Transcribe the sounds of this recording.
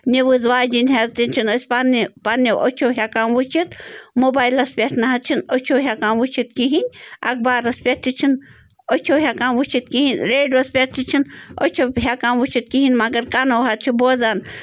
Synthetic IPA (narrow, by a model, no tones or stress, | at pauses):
nʲeʋɨzʋaːd͡ʒinʲɦezt̪inʲt͡ʃʰinosʲpanipaneʔo̰t͡ʃʰoːɦʲjakaːmʋut͡ʃʰit̪moːbaːilɐspʲeʈʰnɐɦɐt̪̚t͡ʃʰinot͡ʃʰoːɦʲjakaːmʋut͡ʃʰit̪kiɦinʲɐ̰k̚baːɾɐspʲeʈt̪ʰʲit͡ʃʰin | ot͡ʃʰoːɦʲakaːnʋut͡ʃʰit̪̚kiɦinʲɾeːɖʋɐspʲeʈt̪ʰit͡ʃʰino̰t͡ʃʰoɦʲakaːmʋut͡ʃʰit̪̚kiɦinʲmɐɡɐɾkaːnowɦɐt̪̚t͡ʃʰiboːzaːn